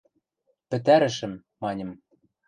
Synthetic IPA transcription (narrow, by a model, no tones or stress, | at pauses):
pɘ̆t̪æɾɘ̆ʃɘ̆mːɑnʲɤ̆m